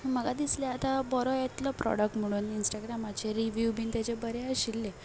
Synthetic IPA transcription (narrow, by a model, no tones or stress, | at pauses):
məɡad̪isleat̪abɔɾɔjet̪lɔpɾʔɔ̰ɽək̚ʈm̤əɽ̃uːninsʈaɡɾamat͡ɕeɾiʋjubint̪jat͡ɕebəɾeəɕilːe